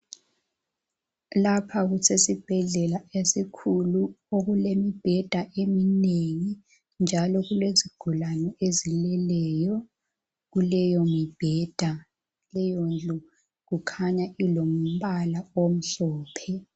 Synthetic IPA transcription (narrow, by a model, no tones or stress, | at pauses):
lapʰaɣusʰesib̥ʱɛɮɛlaesikʰuluoɣulemib̥ʱɛd̥ʱaʔemineŋi | nd͡ʒʱalɔɣuleziɡ̥ʱulanɛezilɛlɛjɔ | ɣulɛjomib̥ʱɛːd̥ʱa | lɛjond͡ɮʱu | ɣukʰaɲailom̩βalaom̩ɬɔːpʰɛ